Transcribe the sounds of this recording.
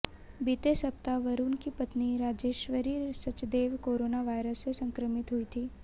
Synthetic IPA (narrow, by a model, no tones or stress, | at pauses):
bit̪esɐp̚t̪aʋɐɾuːnkipɐt̪niɾaːd͡ʒeːʃʋəɾiːɾsɐt͡ʃd̪eːʋkoːɾoːnaʋaːjɾəsːesɐ̃ŋkɾəmɪt̪ɦʊit̪ʰiː